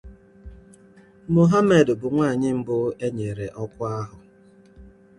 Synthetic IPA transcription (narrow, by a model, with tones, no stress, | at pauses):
mo˨ɦa˦me˨dbʊ˨ŋʷaː˦˨ɲɪ˦m̩˦bʊ˦e˦ɲe˨ɾe˨ʔɔ˦kʷʊ˦a˦ɦʊ˨